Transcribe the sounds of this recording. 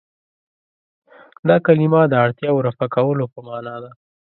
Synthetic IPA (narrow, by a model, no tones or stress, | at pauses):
d̪ɑkalimɑd̪əaɽt̪jɑwɾafakawəlopəmɑnɑd̪a